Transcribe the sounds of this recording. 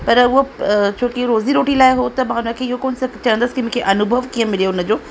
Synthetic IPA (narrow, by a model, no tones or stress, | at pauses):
pɐɾʊɦot͡ɕʰoːkiɾoːziɾoːʈilaːɪɦot̪ɐmãːʊnə̆kʰeːɪɦokoːnsɐt͡ɕɐə̃nd̪əsɪ̥kimʊ̃kʰeʔɐnʊbʱəʋkiːə̃mɪlijoʊnəd͡ʑoː